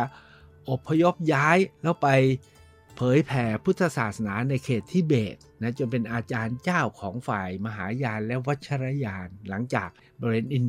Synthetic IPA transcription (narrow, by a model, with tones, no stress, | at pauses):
a˧ | ʔo˨˩pʰːa˧jo˦˥p̚jaː˦˥jlɛː˦˥wpa˧j | pʰɤː˨˩˦jpʰɛː˩˦pʰu˦˥t̪ʰːa˧saː˨˩t̪̚sa˧naː˩˦˥na˧jkʰeː˨˩t̪ʰːiː˥˩beː˨˩t̪̚na˦˥t͡ɕo˧ŋpe˧nʔaː˧t͡ɕaː˧nt͡ɕaː˥˩wkʰɔː˩˦ŋfaː˨˩jma˧ɦaː˩˦jaː˧nlɛ˦˥wa˦˥t̪̚t͡ɕʰa˧ɾa˦˥jaː˧nla˩˦ŋt͡ɕaː˨˩k̚ | bɔ˧weː˧nʔi˧n